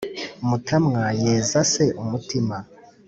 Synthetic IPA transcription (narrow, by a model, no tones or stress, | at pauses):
umutʰamŋajeːzase̞ʔumutima